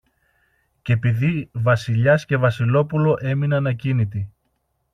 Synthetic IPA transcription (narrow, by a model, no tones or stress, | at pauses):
ce̞piðivɐsiʎɐsce̞vɐsilo̞pulo̞ʔe̞minɐnɐcinit̪̬i